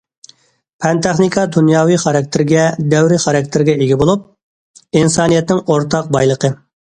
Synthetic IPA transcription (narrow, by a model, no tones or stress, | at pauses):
pʰɛnt̪ʰɛχnikʰɑd̪unjɑːwijχɑɾɑk̚ʲt̪ʰɪɾɡʲɛd̪ɛwɾɪχɑɾɑk̚ʲt̪ʰɪɾɡʲɛeɡʲibolˠup̚ | insɑːnijɛt̪nɪŋoɾt̪ʰɑq̚bɑjlˠəqʰə